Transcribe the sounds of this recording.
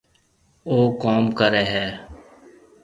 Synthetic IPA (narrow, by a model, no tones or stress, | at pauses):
oːkaːmkəɾeːɦɛː